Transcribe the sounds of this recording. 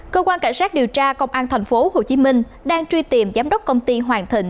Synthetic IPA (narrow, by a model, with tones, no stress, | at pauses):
kəː˧kwaː˧nka̰˧˩ŋ̟saː˦˥k̚ɗi˨˩əwt͡ɕaː˧kə˧wŋ͡mʔaː˧nt̪ʰɛ˨˩jŋ̟fo˨˦ho˨˩t͡ɕi˨˦mï˧ŋ̟ | ɗaː˧ŋt͡ɕwi˧t̪i˨˩əmzaː˨˦mɗə˦˥wk͡p̚kə˧wŋ͡mt̪i˧ɦwaː˨˩nt̪ʰḭ̈˧˩˨ŋ̟